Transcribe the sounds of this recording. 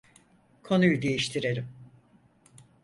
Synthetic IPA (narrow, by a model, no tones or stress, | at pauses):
kʰo̞nujud̪e̞jiʃt̪ʰiɾe̞ɾʲim